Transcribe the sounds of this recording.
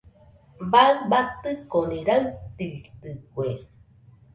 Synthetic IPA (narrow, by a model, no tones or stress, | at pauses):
baɨbat̪ɨkoniɾaɨt̪it̪ɨkwe